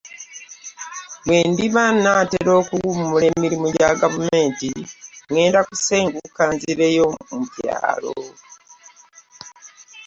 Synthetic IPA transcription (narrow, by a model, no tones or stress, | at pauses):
wwe̞ːndiβanːateɾo̞ːkuɡumule̞miɾimuɟaɡavume̞ːntiŋe̞ːndakuseːŋɡukaːnziɾe̞jo̞mupja̰ːlo̰